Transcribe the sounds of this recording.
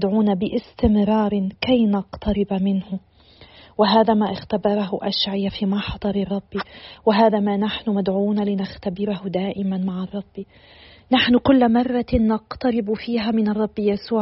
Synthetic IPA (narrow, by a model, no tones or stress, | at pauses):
d̪ʕuːnabɪʔɪst̪ɪmɾɑːɾˤkajnɑqt̪ɑɾɪbamɪnhʊ | wɪɦaːðamaʔɪxt̪abɑɾˤɑɦʊʔaʃʕɪjafiːmɑħɑd̪ˤɑɾˤɑrˤːɑbːiwɪɦaːðamanaħnʊmad̪ʕuːnalɪnaxt̪abɪɾhʊd̪aːʔɪmanmaʕɑrˤːɑbːi | naħnʊkʊlːmɑrˤːɑːɑqt̪ɑɾɪbfiːɦamɪnɑrˤːɑbːjasuːʕ